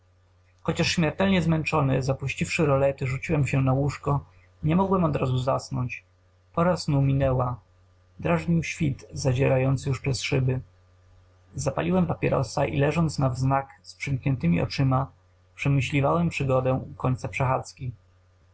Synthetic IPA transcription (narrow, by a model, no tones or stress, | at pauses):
xɔt͡ɕaʂɕmʲjɛɾt̪ɛlɲɛzmɛnt͡ʂɔnɘzapuɕt͡ɕifʂɘɾɔlɛt̪ɘʐut͡ɕiwɛmɕɛnawuʂkɔ | ɲɛmɔɡwɛmɔd̪ɾazuza̰snɔɲt͡ɕ | pɔɾasnumʲinɛwa | d̪ɾaʐɲiwɕfʲit̪zad͡ʑɛɾajɔnt̪sɘjuʂpʂɛsʂɘbɘ | zapa̰lʲiwɛmpapʲjɛɾɔ̰saʔḭlɛʐɔnt̪snavznakspʂɘŋkɲɛnt̪ɘmʲiʔɔ̰t͡ʂɘma | pʂɛmɘɕlʲivawɛmpʂɘɡɔd̪ɛukɔɲt̪sapʂɛxat̪skʲi